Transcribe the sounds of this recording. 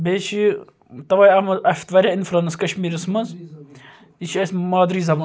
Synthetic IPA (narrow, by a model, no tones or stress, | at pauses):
beːt͡ʃʰi | t̪ɐʋɐːjɐmɐlɐfʲt̪ʋɐɾʲainfɾɐnɐskɐʃmiːɾɐsmɐnz | it͡ʃʰiɐsmaːd̪ɾiːzɐbɐ